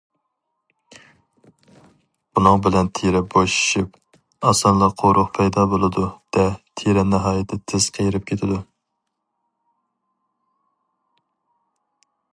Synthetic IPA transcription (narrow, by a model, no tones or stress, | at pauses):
bunɨŋbɪlɛnt̪ʰeɾɛboʃi̥ʃip̚ | ɑsɑnlˠɑqʰowɾʊqpʰɛjd̪ɑːbolˠɨd̪ud̪̥ɛt̪ʰiɾɛnɪɦɑːjɛt̪ʰːɛt̪ʰɪz̥qʰejɾɪp̚kʲʰet̪ʰɪd̪u